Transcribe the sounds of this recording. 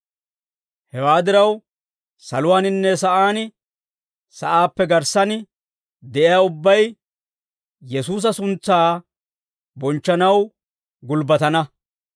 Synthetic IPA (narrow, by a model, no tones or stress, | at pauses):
hɛwaːd̪ɪɾɐw | sɐ̰lʊwaːnɪnːɛsɐʔaːnɪ | sɐʔaːpːɛɡɐɾsɐn | d̪ɛʔɪjaːʊbːɐj | jɛsuːs̬ɐsʊnt͡sːaː | bɔnt͡ʃːɐnɐw | ɡʊlbɐt̪ɐnɐ